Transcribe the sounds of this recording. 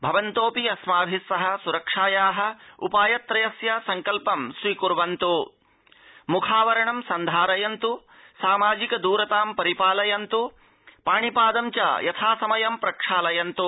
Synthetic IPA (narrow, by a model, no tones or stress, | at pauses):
bʱɐʋɐnt̪oːpiɐsmaːbʱisːɐɦɐ̆suɾɐkʂaːjaːɦɐ̆ṵpaːjɐt̪ɾɐjɐsjɐsɐŋkɐlpɐmsɾiːkuɾʋɐnt̪u | mukʰaːʋɐɾɐɳɐmsɐnd̪ʱaːɾɐjɐnt̪u | saːmaːd͡ʒikɐd̪uːɾɐt̪aːmpɐɾipaːlɐjɐnt̪u | paːɳipaːd̪ɐmt͡ʃa̰ːjɐt̪ʰaːsɐmɐjɐmpɾɐkʂaːlɐjɐnt̪u